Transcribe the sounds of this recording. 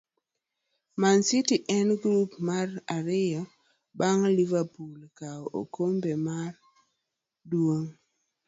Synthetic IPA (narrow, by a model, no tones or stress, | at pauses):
mansitiʔɛnɡɾupmaraɾɪjɔ | baŋlivapulkao̰kombemar | dwoŋ